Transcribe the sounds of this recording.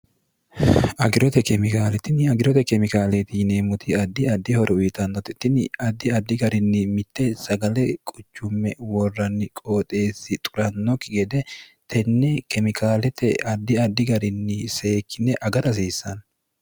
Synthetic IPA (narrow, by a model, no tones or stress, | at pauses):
ʔɐɡɪɾɔt̪ɛkɛmɪkaːlɛt̪ɪnɪɐɡɪɾɔt̪ɛkɛmɪkaːlet̪iːneːmʊt̪ɪɐd̪ːɪɐd̪ːɪhɔɾʔɛʊjɪt̪ɐnːɔt̪ɛt̪ːɪnɪɐd̪ːɪɐd̪ːɪɡɐɾɪnːɪmɪt̪ːɛsɐɡɐlɛkʼʊt͡ʃːʊmːɛwɔrːɐnːɪkʼo̞ːt̪ʼeːsːɪt̪ʼʊɾɐnːɔkɪɡɛd̪ɛt̪ʰɛnːɛkɛmɪkʰaːlɛt̪ɛɐd̪ːɪɐd̪ːɪɡɐɾɪnːɪse̞ːkːɪnːɛʔɐɡɐɾɐs̬iːsːɐn